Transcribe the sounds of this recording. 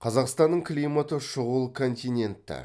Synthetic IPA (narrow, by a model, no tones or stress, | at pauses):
qʰɑzɑqst̪ɑnːəɴkʲʰlʲijmat̪əʃʊʁəlˠkʰo̞nt̪ʲijnʲe̞nt̪ːɪ̰